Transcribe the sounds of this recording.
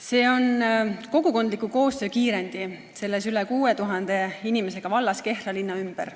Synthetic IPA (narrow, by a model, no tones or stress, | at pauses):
se̞ːo̞nko̞ɡ̥uko̞nd̪likːˑuko̞ːst̪ø̞ːkiːɾe̞nd̪̥i | se̞lːesylekuːet̪uɦɑnd̪̥e̞inime̞se̞ɡ̥ɑvɑlːɑske̞hrɑlinːɑymb̥ḛɾ